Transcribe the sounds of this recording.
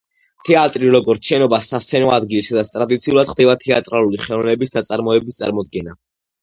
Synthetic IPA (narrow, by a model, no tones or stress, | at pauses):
t̪ʰɛat̪ʼɾiɾɔɡɔɾt̪sʰʃɛnɔbasast̪sʰɛnɔad̪ɡilisad̪at̪st̪ʼɾad̪it̪sʰiulˠad̪̥χd̪ɛbat̪ʰɛat̪ʼɾalˠuliχɛlˠɔvnɛbisd̪at̪sʼaɾmɔɛbist̪sʼa̰ɾmɔd̪ɡɛna